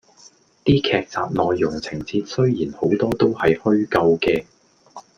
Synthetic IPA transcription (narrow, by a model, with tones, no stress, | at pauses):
t̪iː˥kʰɛː˧k̚t͡saː˨p̚lɔː˨jːʊ˨˩ŋt͡sʰɪ˨˩ŋt͡sʰiː˧t̚sɵ˥ɥjiː˨˩nho˨˥wt̪ɔː˥t̪o˥whɐ˨jhɵ˥ɥkɐ˧wkɛː˧